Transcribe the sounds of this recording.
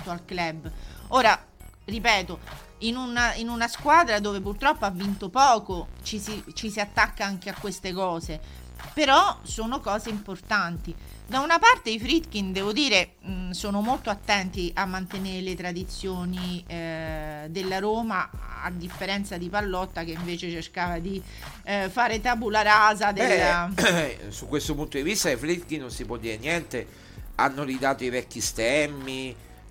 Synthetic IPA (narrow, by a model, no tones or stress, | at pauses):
t̪oalklɛbːoːɾa | ripɛːt̪oinunainunaskwaːd̪ɾad̪oːvepurt̪ɾɔpːoavːint̪opɔːkot͡ʃisit͡ʃisiat̪ːakːaaŋk̟eakːwest̪ekɔːze | peɾɔsoːnokɔːzeimport̪ant̪i | d̪aunapart̪eifɾit̪k̟ind̪ɛːvod̪iːɾe | soːnomolt̪oat̪ːɛnt̪iʔamːant̪eneɾelet̪ɾad̪it̪sːjoːni | d̪elːaɾoːmaa̰d̪ːifːeɾɛnt̪sad̪ipalːɔt̪ːak̟eiɱveːt͡ʃet͡ʃerkaːvad̪i | faːɾet̪abulaɾaːzad̪ea | sukːwest̪opunt̪od̪ivist̪aifɾit̪kinːonsipwɔd̪ːiːɾenjɛnt̪e | anːolid̪aːt̪oivɛkːist̪ɛmːi